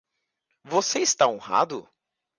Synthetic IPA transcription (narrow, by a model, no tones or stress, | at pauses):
voseɪst̪aõha̰d̪ʊ̰